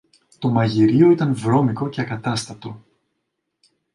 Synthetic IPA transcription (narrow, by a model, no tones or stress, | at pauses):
t̪o̞mɐʝiɾio̞it̪ɐnvɾo̞miko̞ce̞ɐkɐt̪ɐst̪ɐt̪o̞